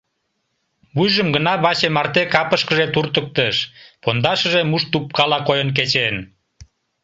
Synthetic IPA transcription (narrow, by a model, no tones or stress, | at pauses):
βujʒəmɡənɑβɑt͡ɕemɑrt̪ekɑpəʃkəʒet̪urt̪ək̚t̪əʃpond̪ɑʃəʒemuʃt̪up̚kɑlɑkojənk̬et͡ɕen